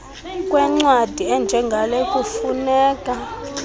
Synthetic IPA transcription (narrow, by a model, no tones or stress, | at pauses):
k̬ʼwɛŋ͡ǀwad̥ʱiɛnd͡ʒʱɛŋɡʱalɛkʼufunɛːkʼa